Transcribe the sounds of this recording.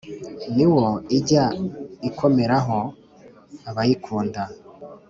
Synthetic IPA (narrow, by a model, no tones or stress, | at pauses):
niwoiɟaikʰo̞me̞ɾaɦo | aβajikʰuːnda